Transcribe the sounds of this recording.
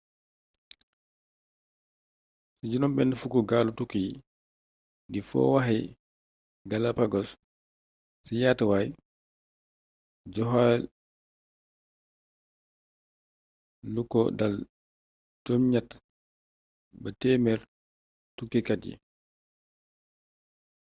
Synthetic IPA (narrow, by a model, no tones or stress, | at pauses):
siɟunɔmbɛndɛfukɔɡaːlutukːi | difɔ̰waɦɛ | ɡalapaɡɔs | sijatwaj | d͡ʒɔɦa | lukɔ̰dal | d͡ʒɔmɲat | batɛːmɛɾ | tukːikat̚ɟḭ